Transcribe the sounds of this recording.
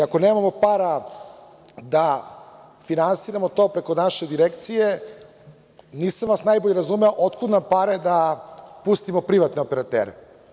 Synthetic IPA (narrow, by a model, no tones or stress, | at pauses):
ako̞neːmamo̞paɾa | d̪a | finansiɾamot̪o̞pɾe̞ko̞naʃed̪iɾekt̪sije | niːsamʋasnajboʎeɾazumeoʔot̪kud̪nampaɾed̪apust̪imopɾiʋat̪neopeɾat̪ḛːɾe